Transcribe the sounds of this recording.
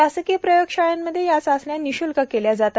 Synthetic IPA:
asəkijəpɾəjokʂajanːəd̪ʱːjejat͡səsljaniɕulkakeljad͡zat̪a

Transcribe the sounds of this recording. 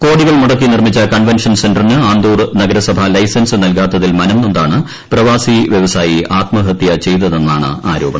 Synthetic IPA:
ko̞ːɽiɣɐɭmuɽɐk̬ːinirmit͡ɕːɐkɐɳʋenʂɐnsenɖɐrnɨaːnd̪uːrnɐɡɐɾɐsɐbʱɐlɐjsɐnsɨnɐlkaːt̪ːɐðilmɐnɐmnind̪aːɳɨ | prɐʋaːsiʋjɐʋɐsaːjiʔaːt̪mɐɦɐt̪jɐt͡ɕe̞jt̪̬ɐðe̞nːaːɳɨ̰aːɾo̞ːbɐɳɐm

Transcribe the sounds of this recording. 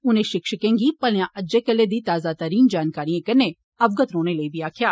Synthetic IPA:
ʊnẽʃɪkʃəkẽːŋɡipɐljãʔɐd͡ʒekɐlːed̪it̪aːzat̪əɾiːnd͡ʒaːnkaːɾijẽkɐɾne | ɐʋɡət̪ɾoːnelɐibʱiaːkʰjaː

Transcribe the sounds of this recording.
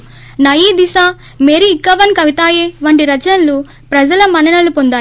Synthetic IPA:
nɐjiːd̪isaː | meɾiːkːɐʋɐnkɐʋit̪aːjeːʋɐɳɖiɾɐt͡ʃɐnlu | pɾɐd͡ʒɐlɐmɐnɐɳɐlupond̪aː

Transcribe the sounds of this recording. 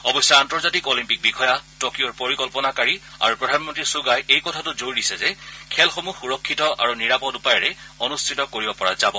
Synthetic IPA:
ɔbɔsjɔantɔɹzatikɔlimpik̚bikʰɔjatokioɹpoɹikɔlpɔnakaɹia̰ɹupɹɔdʱanmɔntɹisuɡajejkɔtʰatʊzoɹdisɛzɛkʰɛlxomuxuɹɔkʰːitɔʔa̰ɹuniɹapɔtupajɔɹɛonustʰitɔkoɹibɔpɔɹa̰zabɔ

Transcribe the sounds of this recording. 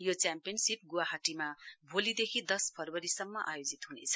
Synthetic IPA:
jot͡sjampijʌnsip̚ɡuwaɦaʈimabʱolid̪ekʰid̪ʌspʰʌrwʌɾisʌmːʌʔa̰jod͡zit̪ɦunḛt͡sʰʌ̥

